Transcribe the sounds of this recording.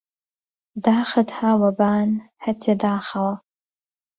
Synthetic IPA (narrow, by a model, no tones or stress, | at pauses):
daːχɐdħaːwabaːnħatʰadaːχawa